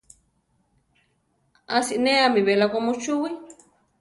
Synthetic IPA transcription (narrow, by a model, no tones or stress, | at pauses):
asiʔneamiβelakomut͡ʃuwi